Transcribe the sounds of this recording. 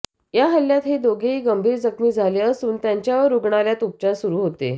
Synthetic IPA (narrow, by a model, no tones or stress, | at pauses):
jaɦəljat̪ɦed̪oɡʱeiːɡəmbʱiːɾd͡zəkmiːd͡zʱaleəsuːnt̪jaɲt͡ɕjaʋəɾuɡɳaljat̪up̚t͡ɕaɾsuɾuːɦot̪ḛ